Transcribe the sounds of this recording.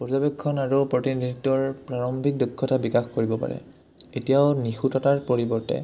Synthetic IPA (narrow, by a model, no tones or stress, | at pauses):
pɔɹzabekʰːɔnaɹupɹotindʱiitɔɹpɹaɹɔmbʱik̚dukʰːɔtabikaxkoɹibɔpa̰ɹɛ̰ | etijaʊnixutɔtaɹpoɹibɔɹtɛ̰